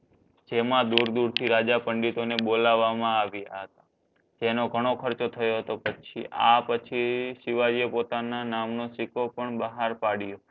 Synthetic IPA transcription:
d͡ʒemãd̪uɾd̪uɾt̪ʰiɾad͡ʒapəɳɖit̪onebolaʋːamãaʋjaɦət̪ḁ | d͡ʒenoɡʱəɽ̃okʰəɾt͡ʃot̪ʰəjoɦət̪opət͡ʃʰiʔa̰pət͡ʃʰiʃiʋaɾiepot̪ananamnosɪkopəɳbəɦaɾpaɽijo

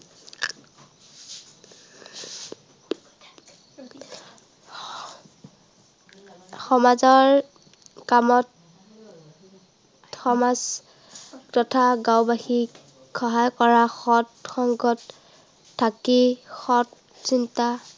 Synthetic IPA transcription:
xɔmazɔɹ | kamɔt | xɔmaz | tɔtʰaɡawbaxi | xɔɦajkɔɹaxɔtxɔŋɡɔtʰː | akixɔt | sinta

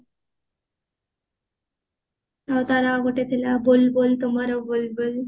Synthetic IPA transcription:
awt̪aɾaɡuʈet̪ʰilabolbolt̪omaɾobolbol

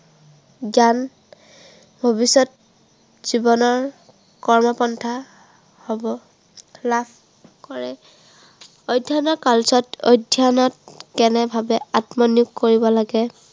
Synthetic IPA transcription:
zan | bʱobisɔt̚ | z̥ibɔnɔɹ | kɔɹmɔpɔntʰa | hɔbɔ | lapʰ | kɔɹɛ | ojdʱianɔkalsɔtojdʱianɔtkɛnɛbʱabɛatmɔnjʊɡkoɹibɔlaɡɛ

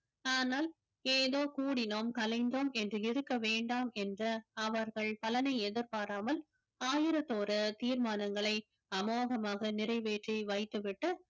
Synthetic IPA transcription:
aːnaːl | eːðoːkuːɽɪnoːmkɐlɐɪnd̪oːmɛndrɯɪɾɯkːɐʋeːɳɖaːmɛndrɐɐʋɐɾɣɐɭpɐlɐnɐɪɛðɪɾpaːɾaːmɐl | aːjɪɾɐt̪ːoːɾɐt̪iːɾmaːnɐŋɡɐɭɐɪ | ɐmoːɣɐmaːɣɐnɪrɐɪʋeːʈriʋɐɪt̪ːɯʋɪʈːɯ

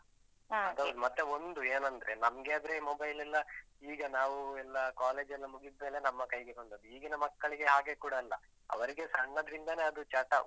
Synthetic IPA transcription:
ɐd̪ɐʋɾmɐt̪ːeond̪ueːnɐnd̪ɐɾenɐmɐɡeɐd̪ɾemoːbɐjlɛlːɐ | iːɡɐnaːʋuɛlːɐkaːle̞ːd͡ʒɐlːɐmuɡid̪̚me̞ːle̞nɐmːɐkɐjɡebɐɳɖɐd̪uiːɡinɐmɐkːɐɭiɡe̞ɦaːɡe̞kuːɽɐːlːɐ̰ | ɐ̰ʋɐɾiɡe̞sɐɳːɐd̪ɐɾind̪ɐne̞ːɐd̪ut͡ʃɐʈːɐ

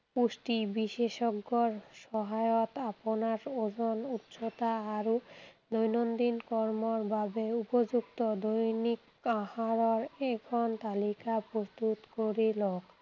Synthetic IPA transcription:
pusʈibiʃeʃɔɡːɔɾʃɔɦajɔt̪apɔnaɾod͡ʑɔnut̪ʃot̪aːɾud̪ojnond̪inkɔɾmɔɾbabeupod͡ʑukt̪ɔd̪ojnik | ahaɾɔɾɛɡʰʱɔnt̪alikapɾost̪ut̪koɾilok

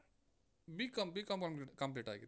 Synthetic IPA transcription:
bikɐmbikɐmkɐmpliʈkɐmp̬liʈa̰ːɡi

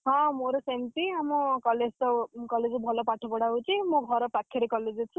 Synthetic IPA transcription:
ɦɔ̃moɾosent̪iamɔkɔled͡zt̪ɔkɔled͡zɔbʱɔlɔpaʈʰɔpɔɽaɦut͡ʃʰimõɡʱɔɾɔpakʰːjeɾekɔled͡zɔt͡ʃʰũ

